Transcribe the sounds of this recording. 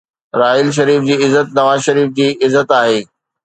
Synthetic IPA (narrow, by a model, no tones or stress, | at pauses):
ɾaːɪlʃ̬ɐɾiːfd͡ʑiːɪzːət̪̚nɐʋaːzʃɐɾiːfd͡ʑiːɪzːət̪aːɦeː